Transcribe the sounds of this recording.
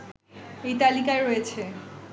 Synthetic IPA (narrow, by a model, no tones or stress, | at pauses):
ejt̪alikaeɾojet͡ɕʰe